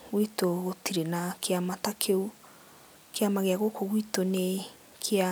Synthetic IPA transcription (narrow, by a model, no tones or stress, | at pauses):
ɣwitoɣotiɾenakʰeamatakʰeu | keamaɣeaɣokoɣwitone | kʰea